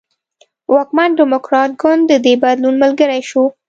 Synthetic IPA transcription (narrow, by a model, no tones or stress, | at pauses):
wɑkmanɖɪmʊkɾɑt̪̚ɡʊnd̪dːəd̪ebad̪lunməlɡəɾajʃu